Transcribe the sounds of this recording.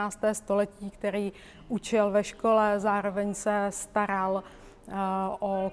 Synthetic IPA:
aːst̪ɛːst̪o̞lɛciːkt̪ɛɾiː | ʔut͡ʃɪlvɛʃko̞lɛzaːɾo̞vɛɲsɛst̪aɾal | ʔo

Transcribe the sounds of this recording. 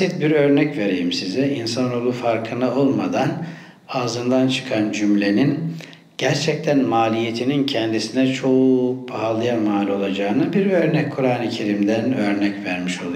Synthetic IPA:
sit̪̚biɾø̞ɾnɛcve̞ɾejimsizɛinsanolˠufaɾkʰɯnao̞lˠmad̪an | aːzɯnd̪ant͡ʃʰɯ̥kʰand͡ʒymlʲe̞nin | ɟ̥æɾt͡ʃʰɛc̚t̪ʰænmaːlʲijet̪ʰinincʰɛnd̪isinɛt͡ʃʰo̞ubaɦalˠɯjamaːlʲo̞lˠad͡ʒaːɯnɯbiɾø̞ɾnɛc̚kʰuɾaːnɯcʰe̞ɾimd̪ænø̞ɾnɛcvæɾmiʃo̞lˠa

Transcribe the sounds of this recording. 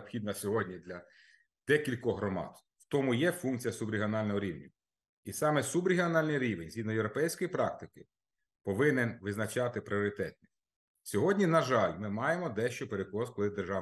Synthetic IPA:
bpxʲid̪nɐsʲɔɦɔdʲnʲid̪lʲɐ | d̪̥ɛkʲilʲkɔɦɾɔmɑ̰t̪ | wt̪ɔmʊjɛfunk̚t͡sʲijɐsʊbɾʲɪɦiɔnɑlʲnɔɦɔɾʲiʋnʲʊ | isɑmɛsubɾʲɪɦiɔnɑlʲnɪɾʲiʋenʲzʲid̪nɔjewɾɔpɛjsʲkɔjipɾɑk̚t̪ɪkɪ | pɔʋɪnenʋɪznɐt͡ʃɑt̪ɪpɾɪɔɾɪt̪ɛt̪nɪ | sʲɔɦɔdʲnʲinɐʒɑlʲmɪmɑjemɔd̪ɛʃt͡ʃɔpeɾekˠɔskɔlˠɪd̪erʒɑ

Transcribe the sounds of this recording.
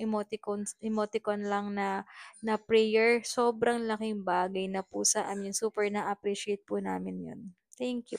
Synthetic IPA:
ʔɪmot̪ɪkonʔɪmoːt̪ɪkonlɐŋnɐnɐpɾɛjɛɹsoːbɾɐŋlɐkɪŋbaːɡɐjnɐpusɐʔɐmjʊŋsuːpɛɹnɐʔɐpɾiʃɛjt̪̚pʊnaːmɪnjo̰n | t̪ɛŋkju

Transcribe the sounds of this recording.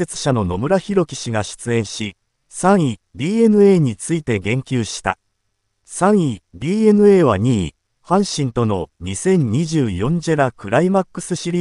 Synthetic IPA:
e̞t͡sɨ̥ɕano̞no̞mɯ̟ɾaçiɾo̞kʲi̥ɕiɡaɕi̥t͡sɨẽ̞ɰ̃ɕi | sãɰ̃ibʲiːe̞nɯ̟e̞ːɲ̟it͡sɨit̪e̞ɡẽ̞ŋkʲɨːɕi̥t̪a̰ | sãɰ̃ibʲiːe̞nɯ̟e̞ːβa̰ɲ̟iː | hãɰ̃ɕĩnt̪o̞no̞ɲisẽ̞ɲ̟ɲiʑɨːjõ̞ɲd͡ʑeɾakɯ̟ɾaimakːɯ̟sɨɕiɾʲiː

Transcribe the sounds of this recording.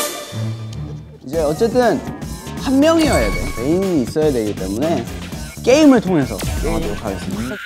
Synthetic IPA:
id͡ʑe̞ʌt͡ɕ͈e̞t͈ɯnhanmjʌŋiajadejoke̞imiːs͈ʌjadwe̞ɡit͈e̞mune̞k͈e̞imɯɭtʰoŋe̞sʰʌ̰adookaɡes͈ɯmɲi

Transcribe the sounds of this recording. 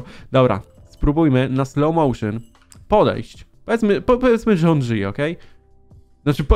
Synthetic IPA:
d̪ɔbɾa̰ | spɾubujmɘnaslɔwmɔwʂɨn | pɔd̪ɛ̰jɕt͡ɕpɔvʲjɛt̪smɘpɔpɔvʲjɛt̪smɘʐɛɔnʐɘjɛɔkɛj | nat͡ʂɘp

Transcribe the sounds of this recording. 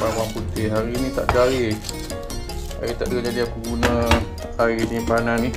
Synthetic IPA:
pawamput̪ɪɦaɾinĩt̪a̰ʔd͡ʒaɾɪ | a̰ɾit̪aʔdəad͡ʒadiakuɡunə̃ | haɾinipanani

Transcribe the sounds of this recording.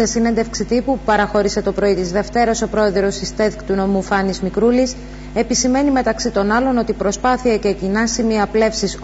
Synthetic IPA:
esinend̪e̞fksit̪ipupupɐɾɐxo̞ɾise̞t̪o̞pɾo̞it̪izðe̞ft̪e̞ɾoso̞pɾo̞e̞ðɾo̞sist̪eðikt̪uno̞mufɐnizmikɾulis | e̞pisime̞nime̞t̪ɐksit̪o̞nɐlo̞no̞t̪ipɾo̞spɐθiɐcecinɐsimiɐple̞fsis

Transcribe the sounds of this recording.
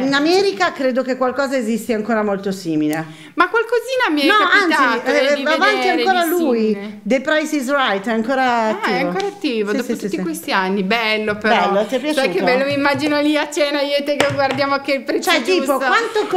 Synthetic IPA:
inamɛːɾikakɾeːd̪okekwalkɔːzaezist̪eaŋkoːɾamolt̪osiːmile | makwalkoziːnamɛɾnɔaansiivaːvaniaŋkoːɾalujid̪epɾajsizrajt̪ɛaŋkoːɾaːtiːɛaŋvokoːɾat̪ːiːvod̪oːsiotist̪ːikwest̪ianːibɛlːopeɾbɛɔlːot̪epjaːt͡ʃsajkebɛllːomimːad͡ʒinoliat͡ʃeːnaiot̪ekeɡward̪jaːmokelpɾet͡ʃɛpt̪iːpokwant̪ok

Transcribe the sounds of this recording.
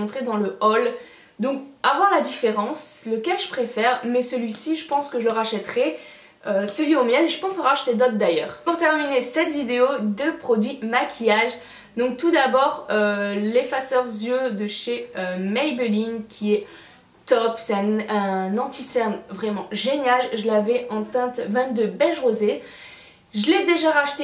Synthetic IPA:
ɔ̃t̪χed̪ɑ̃ləɔl | d̪ɔ̃k̚avwaʁlad̪ifeʁɑ̃sləkʲɛlʒəpχefɛʁmɛsəlɥisiʒəpɑ̃skəʒələʁaʃɛt̪χɛ | øsəlɥiomjɛleʒəpɑ̃səʁaʃt̪ed̪ɔt̪̚d̪ajœːʁpuʁt̪ɛʁminesɛt̪vid̪eod̪əpχɔd̪ɥimakʲʰijaʒ | d̪ɔ̃k̚t̪ud̪abɔʁølefasœʁzjød̪əʃeømɛjbəliŋkʲʰiɛ | t̪ɔpsɛɛ̃ɛ̃nɑ̃t̪isɛʁnvʁɛmɑ̃ʒenjalʒəlavɛɑ̃t̪ɛ̃t̪vɛ̃t̪d̪əbɛlʒʁoze | ʒəlɛd̪eʒaʁaʃt̪e

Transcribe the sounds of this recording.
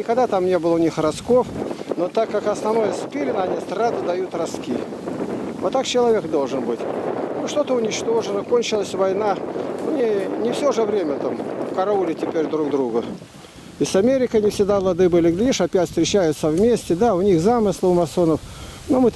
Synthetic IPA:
nʲɪkɐɡd̪at̪amnʲe̞bɨlˠəʊnʲixrɐsko̞fnot̪akːakɐsnɐvno̞jəspʲelʲɪnəɐnʲist̪ɾad̪ɨd̪ɐjut̪rɐskʲi | vot̪ːakt͡ɕɪlˠɐvʲekd̪o̞lˠʐɨnbɨtʲnoʂt̪o̞t̪əʊnʲɪt͡ɕt̪o̞ʐɨnəkonʲt͡ɕɪlˠəsʲvɐjnaʊnʲinʲɪfsʲoʐəvɾʲemʲət̪amfkɐɾɐulʲɪtʲɪpʲeɾʲd̪ɾuɡd̪ɾuɡə | ɪsɐmʲeɾʲɪkənʲɪfsʲɪɡd̪avlˠɐd̪ɨbɨlʲɪɡlʲiʂɐpʲætʲst̪ɾʲɪt͡ɕːæjʊt̪səvmʲesʲtʲɪd̪aʊnʲixzamɨslˠəʊmɐsonəfnomɨ

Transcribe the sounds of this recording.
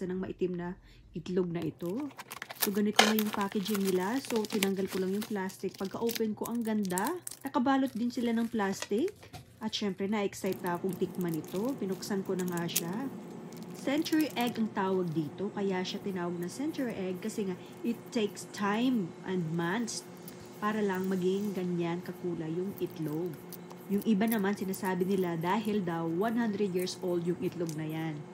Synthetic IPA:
ɐnɐŋmɐʔɪt̪ɪmnɐ | ʔɪt̪loɡ̚nɐʔɪt̪o̞so̞ɡɐnɪt̪oŋɐjʊŋpaːkɛd͡ʒɪŋnɪlaso̞t̪ɪnɐŋɡɐlkolɐŋjʊŋplast̪ɪk̚pɐɡ̚kɐʔoːpɛnko̞ʔɐŋɡɐnd̪anɐkɐbaːlot̪̚d̪ɪnsɪlanɐŋplast̪ɪkʔɐt̪ʃɛmpɾɛnɐʔʔɛksajt̪ːɐkʊŋt̪ɪk̚mɐnɪt̪o̞pɪnʊksɐnko̞nɐŋaʃa | sɛnt͡ʃʊɹiʔɛɡɐŋt̪aːwɐɡ̚d̪iːt̪o̞kɐjaʃat̪ɪnaːwɐɡ̚nɐŋsɛnt͡ʃʊɹiʔɛɡ̚kɐsɛŋa | ʔɪt̪ːejkst̪ʰajmʔɐnd̪̚mans | paːɾɐlɐŋmɐɡɪŋɡɐɲːaŋkɐkuːlɐjʊŋʔɪt̪loɡ̚ | jʊŋʔɪbanɐmansɪnaːsaːbɪnɪlad̪aːɦɪld̪ɐwːanhand̪ɾɛd̪jiɹsʔold̪jʊŋɪt̪loɡ̚nɐjan

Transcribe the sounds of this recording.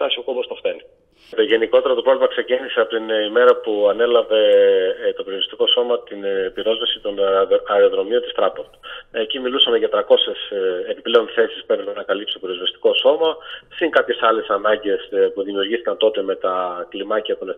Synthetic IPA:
t̪ɐsiokobost̪oxθeni | t̪eʝe̞niko̞t̪e̞ɾɐt̪oɾo̞vlimɐkse̞ciniseɐpot̪inime̞ɾɐpuɐne̞lɐve̞t̪o̞peɾoɾist̪i̥ko̞so̞mɐt̪inbiɾo̞zvɐsi̥t̪o̞nɐeɾoðɾo̞mio̞nt̪ist̪ɾɐpoɾt̪u̥ecimilusɐmeʝɐt̪ɾɐko̞se̞sepiple̞o̞nθe̞si̥spet̪ɾepenɐkɐlipsi̥t̪piɾo̞zvɐst̪i̥ko̞so̞mɐsiŋkɐpçe̞sɐle̞sɐnɐɲɟe̞spuðimiuɾʝisθikɐnt̪o̞t̪e̞me̞t̪ɐklimɐciɐt̪one

